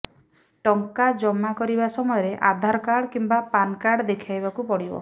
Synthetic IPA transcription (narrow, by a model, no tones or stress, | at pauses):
ʈɔŋkad͡ʒɔmːakɔɾibasɔmɔjɔɾeʔa̰d̪ʱaɾɔkaɽɔkimbapankaɽɔd̪ekʰajbakupɔɽibɔ̰